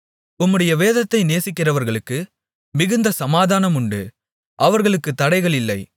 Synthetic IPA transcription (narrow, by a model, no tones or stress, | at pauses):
ʊmːɯɽɐjɐʋeːðɐt̪ːɐɪneːsɪkːɪrɐʋɐɾɣɐɭɯkːɯ | mɪɣɯnd̪ɐsɐmaːðaːnɐmʊɳɖɯ | ʔɐʋɐɾɣɐɭɯkːɯt̪ːɐɽɐɪɣɐɭɪlːɐɪ